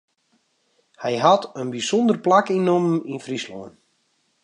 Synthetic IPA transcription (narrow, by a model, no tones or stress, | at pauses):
hɛjɦatənbisɔndərplakinomninfrislɔ̰ən